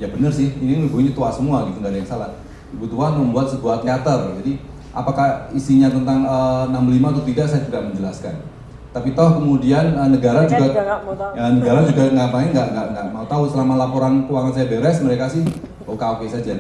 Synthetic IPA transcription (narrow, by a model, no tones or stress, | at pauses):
jabənərsɪhininubuɲat̪uasəmuaɡit̪uŋɡadajaŋsalah | ibut̪uaməmbuat̪̚səbuaht̪eat̪ərd͡ʒadi | ʔa̰pakahisiɲat̪ənt̪aŋənambəlimaut̪ut̪idaʔsajat̪udaʔməɲd͡ʒəlaskan | t̪apit̪ɔhkəmudianənəɡaɾad͡ʒuɡa | ənəɡaɾad͡ʒuɡaŋɡaʔmaɪŋɡaʔŋɡaʔŋɡaʔmaut̪ausəlamalapoɾankuwaŋans̬ajabeɾɛsməɾekasɪh | okafesad͡ʒa